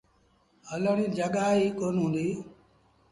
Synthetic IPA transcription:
ələɽĩːd͡ʒəɠaːɦiːkoːnɦũːnd̪iː

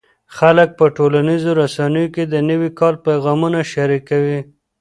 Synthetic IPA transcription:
xalək̚pəʈolanizoɾasanəjoked̪ənəwikɑlpajɣɑmunaʃaɾikawi

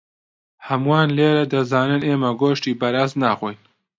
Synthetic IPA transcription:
hɐmuwaːnleːɾɐd̪ɐzaːnɨneːmɐɡoːʃtiːbɐɾaːsnaːxʷoːjn

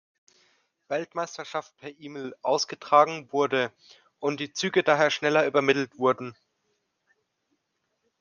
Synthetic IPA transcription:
v̥ɛltmaɪstɐʃaft̚pʰɛɐʔiːmlʔaʊsɡ̥ətʁ̥aːɡŋ̩vʊɐdə | ʔʊntd̥iːt͡syːɡədaːɦeːɐʃnɛlɐyːbɐmɪtl̩tv̥ʊɐdn̩

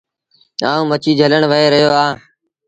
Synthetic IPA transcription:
aːũːmət͡ʃiːd͡ʒʱələɳʋəɦeːɾəɦjoːaː

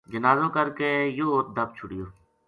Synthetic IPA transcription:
d͡ʒənaːzõːkəɾkeːjoːoːt̪̚d̪əb̚t͡ʃʰʊɽɪjoː

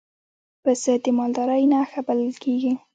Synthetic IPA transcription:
pəsəd̪emɑld̪ɑɾajnaxabaləlkeɡi

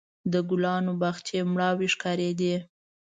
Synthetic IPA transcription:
d̪əɡʊlɑnobaxt̪ʰjemɽɑwiʂkɑɾed̪i

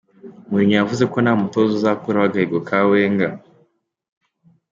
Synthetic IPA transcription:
muiɲojavuzekonamutozozakuɾawaɡaiɡokʰaweːŋɡa

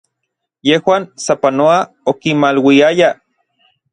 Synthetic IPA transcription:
jehwaːnsapanoa | okimalwiaja

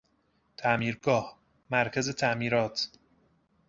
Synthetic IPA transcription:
t̪ʰæmiːɾɡɒːh | mæɾcʰæze̞t̪ʰæmiːɾɒːt̪ʰ

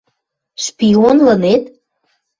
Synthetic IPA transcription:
ʃpionlənet̪

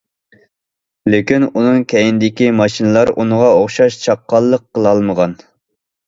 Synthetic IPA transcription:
lekʲinunɨŋkʲʰɛjinɪd̪ɪkʲimɑʃinɨlˠɑɾunəʁɑoχʃɑʃt͡ʃʰɑqːɑlˠːəqːəlˠɑlˠməʁɑn

